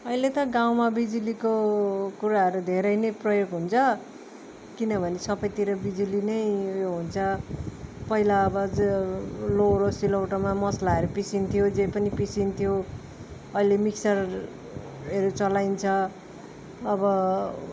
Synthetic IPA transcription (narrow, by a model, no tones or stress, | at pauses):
ʌilet̪ʌɡaw̃mabid͡zulikokuɾaɦʌɾud̪ʱeɾʌjnʌjprʌjoɡɦunt͡sʰʌ | kinʌbʱʌnesʌbʌjt̪iɾʌbid͡zulinʌjjoɦunt͡sʰʌ | pʌilaʌbʌd͡z | loɾosilowʈʌmamʌslaʌɾupisint̪ʰjod͡zejpʌnipisint̪ʰjo | ʌilemiksʌr | ɦʌɾut͡sʌlajnt͡sʰʌ | bʌ